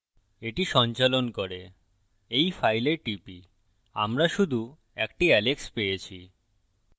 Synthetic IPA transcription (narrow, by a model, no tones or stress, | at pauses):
eʈiʃɔnt͡ɕalonkoɾe | ejfajleɾʈipi | a̰mɾaʃud̪ʱu | ɛkʈiɛlekspejet͡ɕʰi